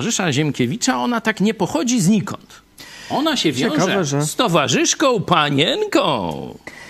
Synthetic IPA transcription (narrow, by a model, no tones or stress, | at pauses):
ʐɘʂaʑɛmkʲɛvʲit͡ʂaɔnat̪akɲɛpɔxɔd͡ʑizɲikɔ̰nt̪ | ɔnaɕɛvʲjɔ̃wʐɛɛɛsst̪ɔvaʐɘʂkɔ̃w̃paɲɛnkɔ̰̃w̃